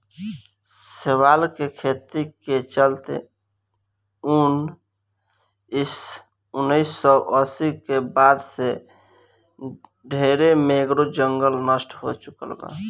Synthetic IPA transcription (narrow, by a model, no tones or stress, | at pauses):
sewalkekʰet̪iket͡ʃəlt̪ḛ | un | ɪs | unəɪsːɔʔəsikebad̪se | ɖʱeɾemeɡɾod͡ʒəŋɡəlnəsʈɦo̰t͡ʃukəlba̰